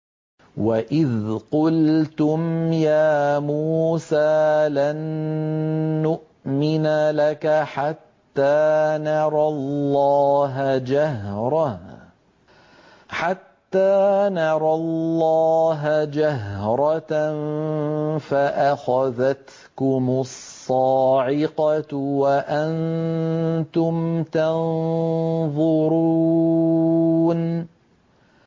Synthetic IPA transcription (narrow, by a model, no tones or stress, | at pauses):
waʔɪðqʊlt̪ʊmjaːmuːsaːlan | ʊʔ | mɪnalakaħat̪ːaːnɑɾˤɑllːɑːɦd͡ʒaɦɾˤɑ | ħat̪ːaːnɑɾˤɑlːɑːɦd͡ʒaɦɾˤɑ | faʔaxaðat̪ | kʊmʊsˤːɑːʕɪqɑwaʔan | t̪ʊmt̪ɑn | ðˤʊɾuː | n